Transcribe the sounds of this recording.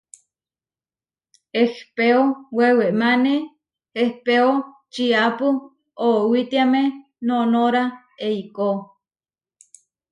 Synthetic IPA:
ehpeoweweʔmane | ehpeo | t͡ʃiapu | owit̪iame | nonoɾa | eiko

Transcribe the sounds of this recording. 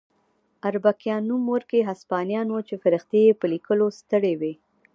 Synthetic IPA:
aɾbakjɑnumoɾkeɦaspɑnjɑnwot͡ʃefaɾəxt̪ejepəlikəlost̪əɽewe

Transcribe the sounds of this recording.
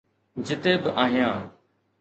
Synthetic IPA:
d͡ʒɪt̪eːbɪʔaːɦɪjãː

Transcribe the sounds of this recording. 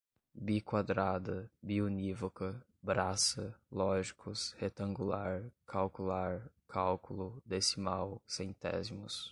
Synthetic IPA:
bikwad̪ɾad̪ɐbiunivokɐ | bɾasɐlɔʒikʰʊshet̪ɐ̃ŋɡulaɾkʰawkulaɾkʰawkulʊd̪esimawsẽj̃t̪ɛ̰zimʊs

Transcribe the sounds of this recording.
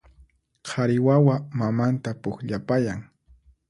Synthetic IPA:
qʰaɾɪwawamamant̪apʊkʎapajaŋ

